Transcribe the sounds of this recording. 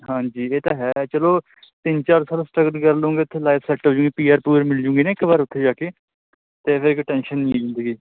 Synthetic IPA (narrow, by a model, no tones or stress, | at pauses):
ɦãːd͡ʒiːeːt̪aːɦɛːt͡ʃəloː | t̪ɪnt͡ʃaːɾsaːlsʈɾəɡəlkəɾloːŋɡeːʊt̪ʰːeːlaːpʰsɛːʈɦoːd͡ʒʊ̃ːŋɡiːpiːaːɾpuːɾmɪld͡ʒʊ̃ːŋɡiːneːkbaːɾʊt̪ʰːeːd͡ʒaːkeː | t̪eːpʰɪɾɪkʈɛ̃ːnʃənːĩzɪ̃nd̪əɡiː